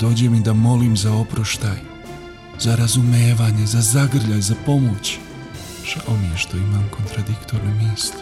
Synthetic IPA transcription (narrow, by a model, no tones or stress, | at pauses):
d̪o̞ːd͡ʑe̞mid̪amo̞liːmzao̞pɾoʃt̪a̰ːj | zaɾazume̞ːʋaːɲe̞zazaɡr̩ʎajzapo̞mot͡ɕ | ʒ̥aomijeʃt̪o̞imaːmkʰo̞nt̪ɾad̪ikt̪oɾnomiːslʲ